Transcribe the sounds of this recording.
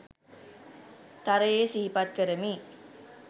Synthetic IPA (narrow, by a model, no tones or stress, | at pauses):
t̪aɾeesiɦipat̪̚kəɾəmi